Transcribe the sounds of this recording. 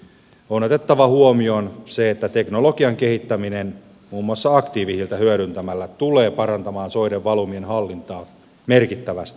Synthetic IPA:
onot̪et̪ːɑʋɑhuomio̞nseet̪ːæt̪e̞knolokiɑŋke̞hit̪ːæminen | muːmːuɑsːɑɑkt̪iːʋisilt̪æhyøɾynt̪æmælːæt̪uleːpɑrɑnt̪ɑmɑːnsoiɾeʋːɑlumienhɑlːint̪ɑː | merkit̪ːæʋæst̪i̥

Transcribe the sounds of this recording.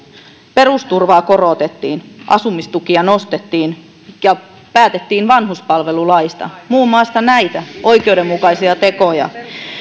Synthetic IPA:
pe̞rust̪urʋɑːko̞roˑt̪et̪ːiːnʔɑ̰sumːist̪ukiɑno̞st̪et̪ːiːn | jɑ | pæːt̪et̪ːiːnʋɑnɦuspɑlʋe̞lulɑist̪ɑ̰muːmːɑˑst̪ɑnæit̪æʔo̞ik̟eude̞mːukɑisiɑt̪e̞kojɑ̰

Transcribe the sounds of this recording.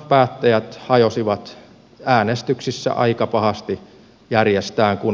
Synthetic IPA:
pæːt̪ːæjæt̪hɑjosiʋɑt̪ | æːnest̪yksisːæ̰ʔɑ̰ikɑpɑhɑst̪i | jærjest̪æːŋkun

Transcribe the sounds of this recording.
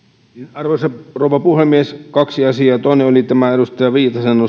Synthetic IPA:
ninɑrʋosɑroˑuʋɑpuhemːieskɑksiɑsiɑːt̪oˑineolit̪æmæeɾust̪ɑjɑʋiːt̪ɑseno

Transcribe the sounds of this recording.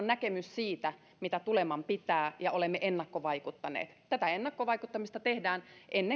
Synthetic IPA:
nækemyssiːt̪æ | mit̪æt̪ulemɑmpit̪æːjɑolemːeʔenːɑkːoʋɑikut̪ːɑnḛːt̪t̪æt̪æenːɑkːoʋɑikut̪ːɑmist̪ɑt̪ehdæːnʔenːe

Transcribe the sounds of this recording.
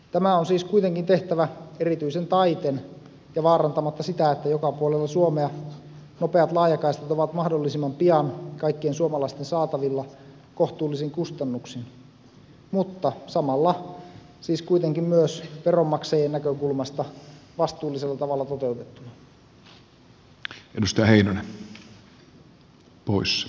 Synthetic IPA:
t̪æmæonsiːskuijt̪eŋkint̪e̞ht̪æʋæerit̪yisent̪ɑit̪en | jɑʋɑːɾɑnt̪ɑmɑt̪ːɑsit̪æet̪ːæjokɑpuolelːɑsuomeɑ | no̞peɑt̪lɑːjɑkɑist̪et̪oʋɑt̪mɑhdolːisimːɑmpiɑnkɑikːiensuomɑlɑist̪ensɑːt̪ɑʋilːɑ | ko̞ht̪uːlːisiŋkust̪ɑnːuksin | mut̪ːɑsɑmɑlːɑ | siːskuit̪eŋkimmyøsperomːɑksejenːækøkulmɑst̪ɑʋɑst̪uːlːˑiselːɑt̪ɑʋɑlːɑt̪ot̪e̞ut̪et̪ːunɑ | ʔedust̪ɑjɑheinonen | pois

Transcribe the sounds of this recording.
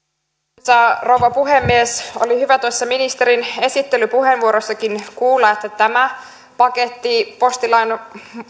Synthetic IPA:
ɑrouwʋɑpuɦemːieso̞̰lihyʋæt̪uɑsːɑminist̪eɾine̞sit̪ːe̞lypuɦenʋuoɾosːɑkinkuːlːɑet̪ːæt̪æmæ | pɑke̞t̪ːipo̞st̪ilɑjn

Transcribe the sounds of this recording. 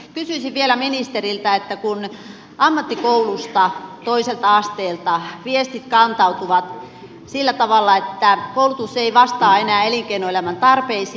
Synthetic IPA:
kysyisiʋʋielæminist̪erilt̪æet̪ːækun | ɑmːɑt̪ːikoulust̪ɑt̪oiselt̪ɑɑst̪eːlt̪ɑʋiest̪it̪kɑnt̪ɑut̪uʋɑt̪ | silːæt̪ɑʋɑlːɑet̪ːækoulut̪usːeiʋɑst̪ɑːenæːeliŋkeinoelæmænt̪ɑrpeis

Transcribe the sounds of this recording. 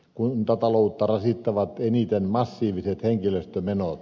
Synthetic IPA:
kunt̪ɑt̪ɑlout̪ːɑrɑsit̪ːɑʋɑt̪enit̪enmɑsːiːʋiset̪heŋkiløst̪ømenot̪

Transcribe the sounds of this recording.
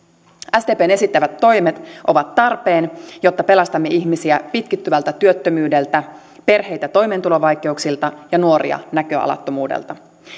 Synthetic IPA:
æst̪eːpeːne̞sit̪ːæʋæt̪ːo̞jmet̪ʔo̞ʋɑt̪ːɑrpeːnjo̞t̪ːɑpe̞lɑst̪ɑmːeiçmisiæpit̪kit̪ːyʋælt̪æt̪yøt̪ːømyːde̞lt̪æ | pe̞rɦe̞jt̪æt̪o̞jme̞nt̪ulo̞ʋɑjk̟e̞uksilt̪ɑjɑnuoɾḭɑ̰nækø̞ɑ̰lɑ̰t̪ːo̞muːdḛlt̪ɑ

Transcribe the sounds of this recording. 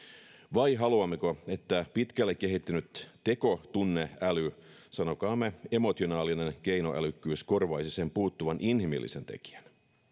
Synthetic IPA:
ʋɑjɦɑluɑmːekoe̞t̪ːæpit̪kælːekːe̞ɦit̪ːynyt̪ːe̞ko̞t̪unːe̞æly | sɑno̞kɑːmːee̞mo̞t̪io̞nɑːline̞nk̟e̞jno̞ʔælykːyːsko̞rʋɑisise̞mpuːt̪ːuʋɑnʔinhimḭlːʔḭse̞nt̪e̞̰ki̥æn

